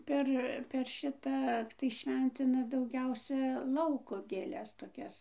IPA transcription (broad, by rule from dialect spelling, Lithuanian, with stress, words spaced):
ˈpʲɛr pʲɛr ˈʃʲɪtɐ tɐɪ ˈʃʲʋʲɛnʲt͡sʲɪnɐ dɐʊˈɡʲɛʊsʲɛ ˈlˠɐʊkoː ɡʲeːˈlʲɛs toːˈkʲɛs